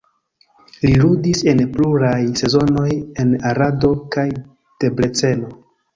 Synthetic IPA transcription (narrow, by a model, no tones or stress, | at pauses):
liludise̞npluɾajse̞zo̞no̞je̞naɾado̞kaj | d̥e̞bɾe̞t͡se̞lo̞